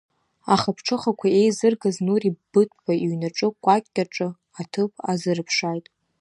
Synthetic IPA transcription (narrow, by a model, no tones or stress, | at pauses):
aχapʰʈ͡ʂʰɨχakʷʰae̞jzɨrɡaznuribɨtʰʼbaiɥnaʈ͡ʂʼɨkʷʼakʲʼːaʈ͡ʂʼɨ | atʰɨpʰʼazɨrɨpʰʂajtʼ